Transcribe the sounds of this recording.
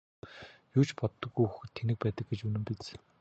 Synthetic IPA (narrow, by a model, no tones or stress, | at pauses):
juːt͡ɕpɔt̪ːɞ̆ɣujuxɘ̆t̪ʰːenɘ̆k̚pæːt̪ə̆k̚ɡet͡ɕɵnɘ̆mpit͡s